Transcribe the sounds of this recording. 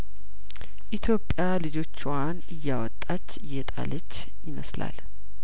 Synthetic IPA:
ʔit̪ʰjo̞pʼjalɨd͡ʒo̞t͡ʃːwanɨjːawɔt̪ʼːat͡ʃːɨjːɛt̪ʼa̰lət͡ʃː | jɪməsla̰l

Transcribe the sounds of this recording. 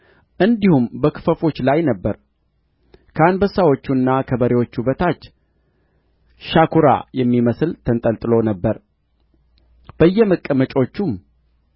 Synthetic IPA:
ʔɨnd̪ihumbəkʰɨ̥fəfo̞t͡ʃːlajnəbːəɾ | kʰəanbəsːawo̞t͡ʃːunːakʰəbəɾewo̞t͡ʃːubət̪ʰat͡ʃː | ʃakʰuɾa̰jɛmːiməsɨlt̪ʰənt̪ʼəlt̪ʼɨlo̞nəbːəɾ | b̥əjːɛməkʼːəmət͡ʃʼo̞t͡ʃːum

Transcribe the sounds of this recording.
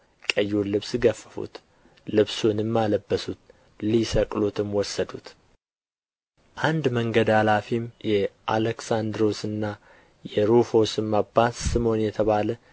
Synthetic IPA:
kʼəjːulɨβsɡəfːə̥fṵt̪ | lɨβsunɨmːaləbːəsut̪ | lisəkʼlot̪ʰɨmwɔsːəd̪ut̪ | ʔand̪məŋɡəd̪halafimjɛʔaləksand̪ɾo̞sɨnːa | jɛɾufo̞sɨmːabasɨmo̞njɛt̪ʰəβalə

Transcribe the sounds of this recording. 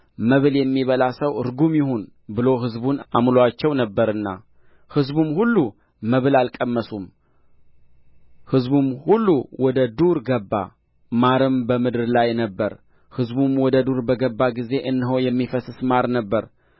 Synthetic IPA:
məβɨljɛmːiβəlasəwɾɡumjɪhun | bɨlo̞ɦɨzbuna̰mloat͡ʃːɛwnəbːəɾɨnːa̰ | hɨzbumhulːu | məβɨlalkʼəmːəsum | hɨzbumhulːuwɔd̪əd̪uɾɡəbːa̰ | maɾɨmbəmɨd̪ɨɾlajnəbːəɾ | hɨzbumwɔd̪əd̪uɾbəɡəbːaɡize̞ʔɨnːɨɦojɛmːifəsɨsmaɾnəbːəɾ

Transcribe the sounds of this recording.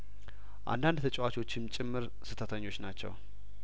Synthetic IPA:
ʔa̰nd̪and̪t̪ʰət͡ʃʼwat͡ʃo̞t͡ʃːɪmt͡ʃʼɪmːɨɾ | sɨt̪ʰət̪ʰəɲːo̞t͡ʃːnat͡ʃːɛ̰w

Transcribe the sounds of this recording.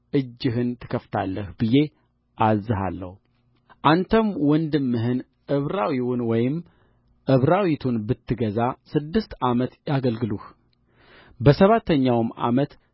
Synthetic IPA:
ʔɨd͡ʒːɨɦɨnt̪ʰɨ̥kʰəft̪ʰa̰lːəhbɨje̞ | ʔazːɨɦa̰lːə̰hu | ʔant̪ʰəmwɔnd̪ɨmːɨɦɨn | ʔɨβɾawiwunwɔjɪm | ʔɨβɾawit̪ʰunbɨt̪ʰːɨɡəzasɨd̪ːɨst̪amət̪jaɡəlɡɨluh | bəsəβat̪ʰːəɲːawma̰mət̪

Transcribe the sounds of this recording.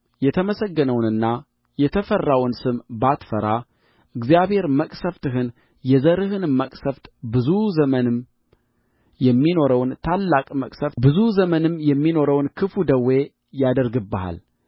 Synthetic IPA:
jɛt̪ʰəməsəɡːənəwnɨnːa | jɛt̪ʰəfərːawnsɨmbat̪fəɾa | ʔɨɡzijaβhe̞ɾməkʼsəft̪ɨɦɨn | jɛzəɾɨhɨnməkʼsəft̪bɨzuzəmənɨm | jɛmːino̞ɾəwnt̪ʰalːakʼməkʼsəfbɨzuzəmənɨmjɛmːino̞ɾəwnkʰɨfud̪əwːe̞ | jad̪əɾɡɨbːəha̰l

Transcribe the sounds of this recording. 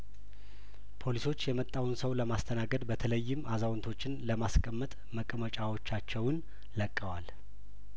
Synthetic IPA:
pʰo̞liso̞t͡ʃːjɛmət̪ʼːawunsəwləmast̪ʰənaɡəd̪bət̪ʰələjːɪmʔazawnt̪ʰo̞t͡ʃːɪnləmaskʼəmːət̪ʼməkʼəmət͡ʃʼawo̞t͡ʃːat͡ʃːɛwn | ləkʼːəwal

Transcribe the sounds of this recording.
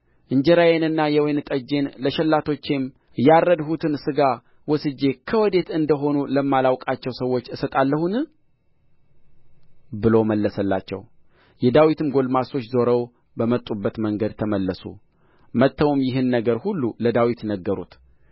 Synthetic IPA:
ʔɨɲd͡ʒɛɾajenɨnːajɛwenɨt̪ʼəd͡ʒe̞nləʃɛlːat̪ʰo̞t͡ʃːe̞m | jarːəd̪hut̪ʰɨnsɨɡa | wɔsɨd͡ʒːe̞kʰəwɔd̪e̞t̪ɨnd̪əɦo̞nuləmːalawkʼat͡ʃːɛwsəwːo̞t͡ʃːɨsət̪ʼalːəhun | bɨlo̞məlːəsəlːa̰t͡ʃːɛ̰w | jɛd̪awit̪ʰɨmɡo̞lmaso̞t͡ʃːzo̞ɾəw | bəmət̪ʼːubːət̪məŋɡəd̪̚t̪ʰəməlːəsṵ | mət̪ʰːəwumjɪɦɨnːəɡəɾhulːuləd̪awit̪nəɡːəɾṵt̪

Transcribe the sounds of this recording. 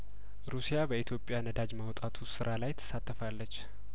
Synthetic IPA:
ɾusijabəit̪ʰjo̞pʼːjanəd̪ad͡ʒmawt̪ʼat̪ʰusɨɾʔalajt̪ʰə̥sat̪ʰːəfalːət͡ʃː

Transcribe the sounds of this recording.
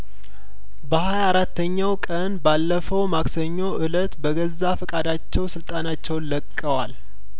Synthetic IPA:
bəhajaɾat̪ʰːəɲːawkʼənbalːəfəwmaksəɲːo̞ʔɨlət̪bəɡəzːafəkʼad̪at͡ʃːɛwsɨlt̪ʼanat͡ʃːɛwnləkʼːəwal

